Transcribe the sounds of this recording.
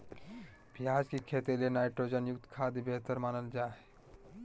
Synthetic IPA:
piad͡ʑkikʰet̪elenajʈɾod͡ʑənjukt̪kʰad̪ibeɦt̪əɾmanəld͡ʒaɦe

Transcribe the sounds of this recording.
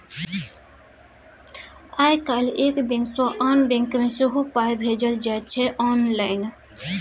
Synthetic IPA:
ajkalekbẽŋksɔʔanbẽŋkmẽseɦupajbʱed͡ʒəld͡ʒat̪̚t͡ʃʰɛʔɔnlaɪn

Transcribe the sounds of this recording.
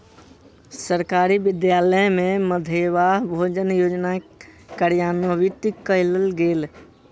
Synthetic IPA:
səɾkaɾibɪd̪jaləmẽməd̪ʱeʋaɦbʱoːd͡ʒənjoːd͡ʒnakəɾjaːnwəʋit̪ikəɪləlɡeːl

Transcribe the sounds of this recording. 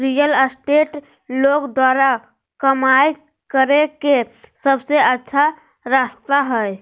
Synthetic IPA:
ɾijələsʈeʈ | lokd̪waɾa | kəmaj | kəɾekesəbseətːʃʰa | ɾast̪aɦəj

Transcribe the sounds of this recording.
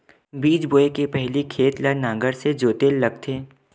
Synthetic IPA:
biːd͡ʒboːekepɛɦlikʰeːt̪lanã̆ːɡəɾsed͡ʒoːt̪eːlːɐɡ̚t̪ʰeː

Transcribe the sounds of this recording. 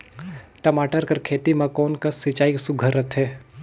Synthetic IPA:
ʈɐmaːʈəɾkɐɾkʰeːt̪imãkɔːnkəsːit͡ʃaːiksʊɡʱəɾət̪ɦɛː

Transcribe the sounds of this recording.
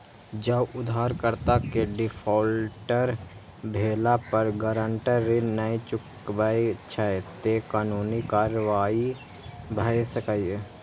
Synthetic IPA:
d͡ʒəbʊd̪ʱaːɾkəɾt̪akeɖɪfʰɔːlʈəɾ | bʱeːlapəɾɡəɾə̃ɳʈəːenəit͡ʃʊk | bait͡ʃʰat̪ekaːnuːnikaːɾəʋaːi | bʱəjsəkaj

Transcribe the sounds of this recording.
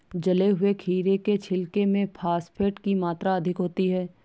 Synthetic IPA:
d͡ʒɐleɦʊekʰiːɾeket͡ʃʰɪlkemẽpʰaːspʰeːʈkimaːt̪ɾaɐd̪ʱɪkɦoːt̪iɦɛː

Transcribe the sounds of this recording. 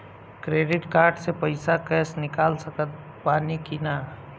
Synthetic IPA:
kɾeːɖɪʈkaːɾɖsepəɪsakɛːsnɪkaːlsəkət̪̚ | paːnikina

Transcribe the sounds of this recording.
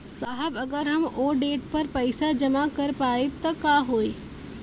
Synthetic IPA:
saːɦəbɐɡəɾɦɐmoːɖeːʈ̚pɐɾpɐɪsad͡ʒɐmakɐɾpaːeb̚t̪ɐkaːɦoːe

